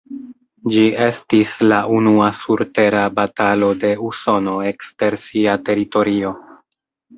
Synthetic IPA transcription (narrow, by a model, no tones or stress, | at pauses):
d͡ʒie̞stislaʔunuasuɾte̞ɾabatalo̞de̞uso̞no̞e̞kste̞ɾsiate̞ɾito̞ɾio̞